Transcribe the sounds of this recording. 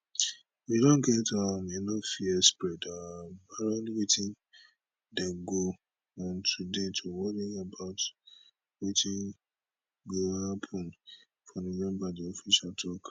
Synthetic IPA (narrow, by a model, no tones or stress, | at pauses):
widɔ̃nɡɛtaminɔfiɛspɹɛdabaɾɔ̃nwitĩn | dɛɡo | ɔ̃ntʰudetʰowɔɾiabaʊt | witʰĩn | ɡohapʰɔ̃n | fɔnimɛ̃mbadiɔfiʃatʰɔk